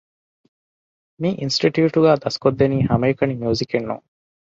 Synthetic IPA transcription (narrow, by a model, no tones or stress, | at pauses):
miʔinsʈiʈjuːʈuɡæːd̪ɐskod̪ːeniːhɐmɐjukɐnimijuːzikenːṵŋ